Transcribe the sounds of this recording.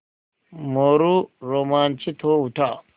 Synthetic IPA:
moɾuɾomaːnt͡ʃit̪ʰowuta

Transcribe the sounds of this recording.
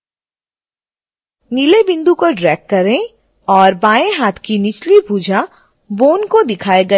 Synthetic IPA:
nilebɪ̃nd̪ukoɖɾɛːk̚kɐɾẽ | ɔːɾbaːẽɦaːt̪ʰkinɪt͡ʃlipuːd͡ʒa | boːnkod̪ɪkʰaːeɡɐ

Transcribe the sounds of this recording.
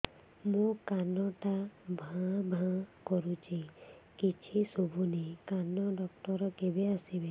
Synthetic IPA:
mũkanɔʈabʱãbʱãkɔɾut͡ʃʰi | kit͡ʃʰisɔbʱunekanɔɖɔkʈɔɾɔkebeasibe

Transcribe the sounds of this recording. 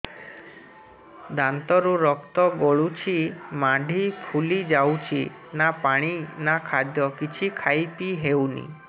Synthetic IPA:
d̪ant̪ɔɾuɾɔkt̪ɔɡoɭut͡ʃʰimaɖʱipʰulid͡ʒawt͡ʃʰi | napaɽ̃inakʰad̪jɔkit͡ʃʰikʰajpiɦewnḭ

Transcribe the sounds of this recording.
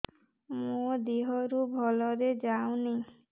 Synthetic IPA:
mod̪iɦɔɾubʱɔlɔɾed͡ʒaũni

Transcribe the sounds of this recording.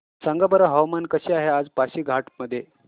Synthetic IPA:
saŋɡabəɾəɦəʋmankəɕiaɦead͡zpaɕiːɡʱaʈməd̪ʱːje

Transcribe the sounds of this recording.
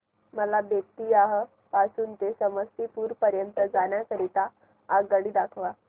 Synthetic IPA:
məlabjək̚t̪iːaɦə | pasuːnt̪esəməst̪iːpuːɾpəɾjənt̪əd͡zaɳjakəɾit̪aː | ɡɡəɽiːd̪akʰʋa

